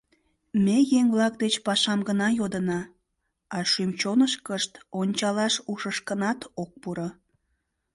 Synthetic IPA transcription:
mejeŋβlɑk̚d̪et͡ɕpɑʃɑmɡənɑjod̪ənɑ | ɑʃymt͡ɕonəʃkəʃt̪onʲt͡ɕɑlɑʃuʃəʃkənɑt̪ok̚puɾə

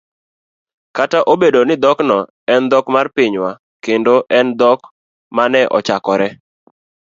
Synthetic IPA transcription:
kataʔobedonɪd̪ɔknɔ | ɛnd̪ɔkmarpɪɲwa | kendoʔɛnd̪ɔk | manɛʔɔ̰t͡ʃakɔɾɛ

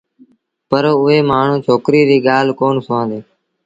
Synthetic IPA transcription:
pəɾoʊɦeːmaːɳ̤ũːt͡ʃʰoːkɾiːɾiːɠaːl̤koːɳsʋãːnd̪eː

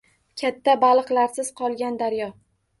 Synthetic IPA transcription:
kʲʰat̪ʰːabalˠɨqlˠaɾsɪz̥qʰɒlˠɡʲand̪aɾjɒ

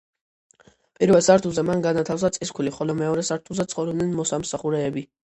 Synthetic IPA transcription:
pʼiɾvɛlˠsaɾt̪ʰuzɛmanɡanat̪ʰafs̬at̪sʼiskʰuliχɔlɔmɛɔɾɛsaɾt̪ʰuzɛt̪sʰχɔvɾɔbnɛnmɔsamsaχuɾɛːbi

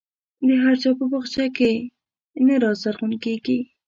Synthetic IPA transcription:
d̪əɦaɾt͡ʃɑpəpəxt͡ʃake | naɾɑzaɾxunkeɡi

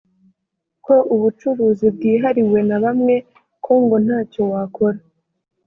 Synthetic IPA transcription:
ko̞ʔuβut͡ʃuβuzibɡiːɦaɾiwe̞naβamŋe̞ | kʰoːŋɡon̥haːco̞wakʰoɾa

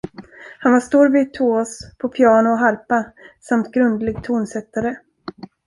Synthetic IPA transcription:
hanvaʂt̪uːɾvɪt̪ʰoːspʰɔpʰɪɑːɳʊɔɦaɾpasamt̪ɡɾɵnd̪lɪɡt̪ʰuːnsɛt̪ːaɾə

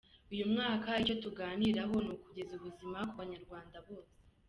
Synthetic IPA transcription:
ujumŋaːkait͡ʃo̞tuɡaːniɾaɦo̞nukuɟe̞zuβuzimakuβaɲaɾɡwaːndaβo̞ːse̥

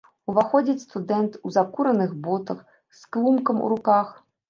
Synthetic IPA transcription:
uvaxɔd͡zʲɐt͡sʲst̪ud̪ɛnt̪uzakuɾɐnɨxbɔt̪ɐx | sklˠumkɐmṵɾukax

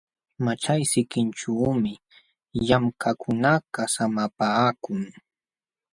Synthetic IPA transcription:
mat͡ʃajsɪkɪnt͡ʃuːmɪ | jamkʰakʰʊnakasamapaːkʊŋ

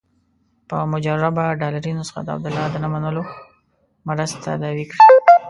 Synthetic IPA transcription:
pəmʊd͡ʒaɾabaɖɑlaɾinosə̥xa̰d̪əa̰b̚d̪ʊlɑd̪ənamanəlo | mɾast̪a̰d̪ɑwikɽi

